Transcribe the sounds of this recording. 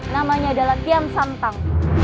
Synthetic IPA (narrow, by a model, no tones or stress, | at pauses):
namaɲadalaht̪iamsamt̪aŋ